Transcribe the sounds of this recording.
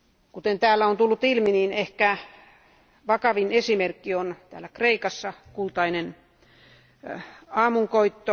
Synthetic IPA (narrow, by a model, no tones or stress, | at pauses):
kut̪ent̪æːlːæont̪ulːut̪ilminiːnehkæ | ʋɑkɑʋinesimerkːiont̪æ̰ːlːækreikɑsːɑkult̪ɑinen | ɑːmuŋkoit̪ːo